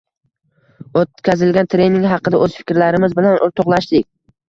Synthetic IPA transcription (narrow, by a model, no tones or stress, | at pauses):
ot̪̚kʲʰazɪlɡʲant̪ʰɾe̞jnɪŋɦɑqɨd̪aʔɵz̥fɪ̥kʲɾlaɾɪmɪzbɪlanʊɾt̪ʰʊqlˠaʃd̪ɪkʲ